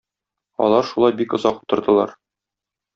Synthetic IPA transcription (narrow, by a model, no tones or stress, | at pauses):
ɒ̰lˠɑɾʃulˠɑjbikŏzɑqu̥t̪ɤ̆ɾd̪ɤ̆lˠɑɾ